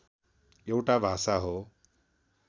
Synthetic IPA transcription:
ewʈabʱasaɦo

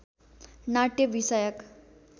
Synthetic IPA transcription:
naʈeʋisəjək

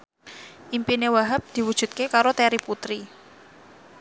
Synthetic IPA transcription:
ʔimpinewaɦap̚d̪̥i̤wud̥ʒ̥ṳt̪̚kekaɾot̪ɛɾiput̪ɾi

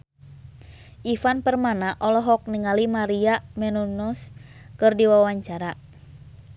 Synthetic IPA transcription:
ʔifanpərmanaʔɔlɔɦɔk̚niŋalimaɾiamɛnunɔskɨrdiwawaɲt͡ʃaɾa

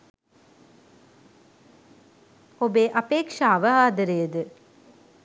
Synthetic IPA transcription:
obeːʔapeːkʂaːʋəaːd̪əɾejəd̪ə

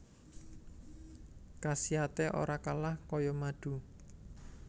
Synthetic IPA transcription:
kasiat̪eʔo̰ɾakalahkɔjɔmaɖ̥ṳ

